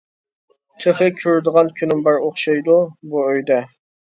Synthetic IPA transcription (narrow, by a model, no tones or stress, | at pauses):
t̪ʰeχɪkʲʰøɾd̪əʁɑnkʲʰynɪmbɑɾoχʃɑjd̪ubuøjd̪ɛ